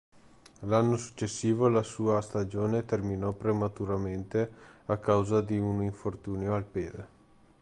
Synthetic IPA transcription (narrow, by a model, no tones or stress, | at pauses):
lanːosu̥t͡ʃːesːiːvolasuːast̪ad͡ʒoːnet̪erminɔpɾemat̪uɾament̪eakːawzad̪iuniɱfort̪uːnoalpeːd̪e